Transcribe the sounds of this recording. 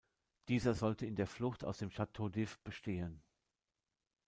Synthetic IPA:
d̥iːzɐzɔltəɪndeːɐflʊxtaʊsd̥eːmʃatʰoːdɪfb̥əʃteːən

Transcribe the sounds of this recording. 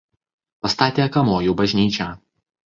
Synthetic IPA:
pɐst̪ɑːt̪ʲeːkɐmoːjuːbɐʒʲnʲiːt͡ʃʲæː

